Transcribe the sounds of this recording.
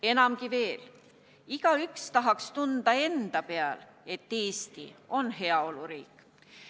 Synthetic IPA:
e̞nɑmkive̞ːl | iɡ̥ɑykst̪ɑɦɑkst̪und̪̥ɑe̞nd̪̥ɑpe̞ɑ̰le̞t̪ːeːst̪ḭo̞nɦe̞ɑo̞luɾiːkːˑ

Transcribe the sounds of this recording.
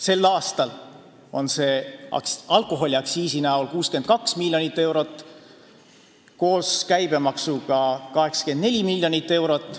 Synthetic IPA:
se̞lːɑːst̪ɑl | o̞̰nse̞̰ | ɑlko̞ɦo̞lʲiɑksiːsinæolkuːske̞nd̪̚kɑksmilʲːjo̞nit̪ːe̞wɾo̞t̪ːˑ | ko̞ːskæjb̥e̞mɑksuɡ̥ɑkɑɦe̞ksɑ̥ke̞nd̪ne̞lʲimilʲjo̞nit̪ːe̞wɾo̞t̪ːˑ

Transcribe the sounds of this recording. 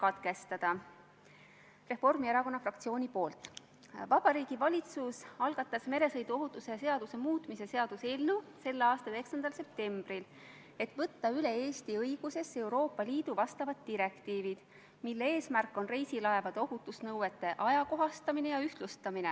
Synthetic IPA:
kɑt̪ɡe̞st̪ɑd̪̥ɑ | re̞fo̞rmieɾɑko̞nːɑfrɑk̚t̪sio̞ːnʲipo̞ːlt̪ːˑ | vɑb̥ɑɾiːɡ̥ivɑlʲit̪susɑlɡ̥ɑt̪ːˑɑsme̞ɾe̞sɤjd̪uo̞ɦut̪ːˑuse̞se̞ɑd̪̥use̞muːt̪ˑmise̞se̞ɑd̪̥uselnuse̞lːeɑːst̪ɑeeksɑnd̪ɑlse̞p̚t̪e̞mb̥ril | e̞t̪ˑvɤt̪ːɑyle̞e̞ːst̪iɤjɡ̥use̞se̞wɾo̞ːpːˑɑliːd̪̥uvɑst̪ɑvɑt̪ːiɾe̞kt̪iːvid̪̥ | milːee̞ːsmærkːˑo̞nre̞jsilɑevɑd̪̥o̞ɦut̪ːˑusnɤwe̞t̪ːe̞ʔɑjɑko̞ɦɑst̪ɑmine̞jɑyht̪lust̪ɑmine

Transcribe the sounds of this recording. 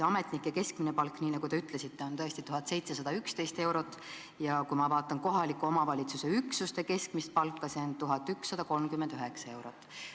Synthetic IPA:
ɑme̞t̪ˑnikːˑeke̞skminepɑlkːniːnɑɡut̪e̞yt̪ˑle̞sit̪ːˑeo̞nt̪ɤ̞est̪it̪uɦɑt̪se̞jt̪se̞sɑd̪ɑykst̪e̞jst̪e̞wɾo̞t̪ːˑ | jɑkumɑvɑːt̪ːˑɑnko̞ɦɑlikːˑuo̞mɑvɑlʲit̪suse̞yksust̪e̞ke̞skmist̪̚pɑlkːˑɑse̞ont̪uɦɑt̪ːˑyksːɑd̪̥ɑko̞lmkymːend̪̥yɦe̞ksɑe̞wɾo̞t̪ːˑ

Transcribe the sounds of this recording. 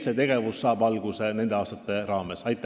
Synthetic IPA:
set̪e̞ɡ̥e̞vusːɑːb̥ɑlɡ̥use̞ne̞nd̪̥eɑːst̪ɑt̪ːˑe̞rɑːme̞sɑjt̪ˑː

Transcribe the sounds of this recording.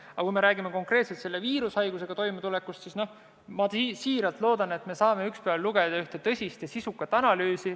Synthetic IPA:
ɑkujme̞ɾæːɡime̞ko̞ŋkre̞ːt̪se̞lt̪se̞lːe̞viːɾushɑjɡ̥use̞ɡ̥ɑt̪o̞jmet̪ule̞kːust̪sisno̞h | mɑt̪isiːɾɑlt̪lo̞ːd̪̥ɑne̞t̪me̞sɑːme̞ykspeæɑlluɡ̥e̞d̪̥ɑyht̪e̞t̪ɤ̞sʲist̪ɑsisukːˑɑt̪ːˑɑnɑlyːsi

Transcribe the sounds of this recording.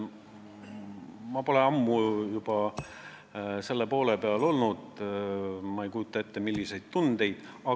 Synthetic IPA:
mɑpo̞leɑmːujub̥ɑ | se̞lːepo̞ːle̞peɑlo̞lnud̪̥ | mɑejkujut̪ːˑɑe̞t̪ːe̞milːise̞jd̪̥̚t̪und̪̥e̞jd̪̥ɑ

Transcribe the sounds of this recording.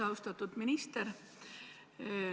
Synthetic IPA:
ɑwst̪ɑt̪ːud̪̥minist̪eɾ

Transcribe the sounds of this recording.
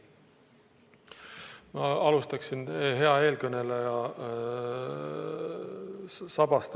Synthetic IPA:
mɑɑlust̪ɑksinɦe̞ɑe̞ːlkɤnelejɑ | sɑb̥ɑst̪

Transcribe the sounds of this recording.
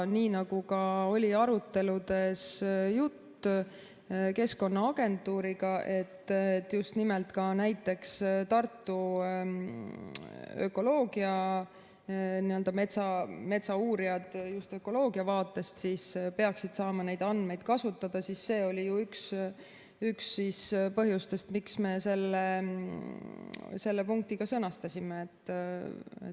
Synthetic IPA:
niːnɑɡ̥ukɑo̞lʲiɑɾut̪ːe̞lud̪̥e̞sjut̪ː | ke̞sko̞nːɑɑɡ̥e̞nt̪ˑːuːɾiɡɑʔe̞t̪ːet̪ːjust̪nimelt̪kɑnæjt̪ːe̞kst̪ɑrt̪ːu | ø̞̰ko̞lo̞ːɡiɑ | niø̞ld̪̥ɑme̞t̪sɑme̞t̪sɑuːɾiɑd̪̥just̪ø̞ko̞lo̞ːɡiɑvɑːt̪ːˑe̞st̪siːspe̞ɑksid̪̥sɑːmɑne̞jd̪ɑnd̪me̞jd̪̥kɑsut̪ːˑɑd̪̥ɑsisːe̞ːo̞lʲijuyks | yksːiːspɤɦjust̪e̞st̪miksme̞se̞lːe | se̞lːepuŋk̚t̪iɡ̥ɑsɤnɑst̪ɑsʲimeːt̪ːˑ | ḛt

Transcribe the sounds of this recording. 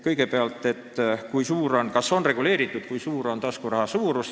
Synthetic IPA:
kɤjɡepeɑlt̪ːˑe̞t̪ːˑkujsuːɾonkɑso̞nre̞ɡ̥uleːɾit̪ːˑut̪kujsuːɾo̞nt̪ɑskurɑhɑsuːɾus

